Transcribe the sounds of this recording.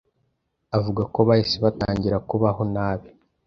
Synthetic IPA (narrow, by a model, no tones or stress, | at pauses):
avuɡakoβaisiβataːɲɟiɾakuβaɦo̞naːβi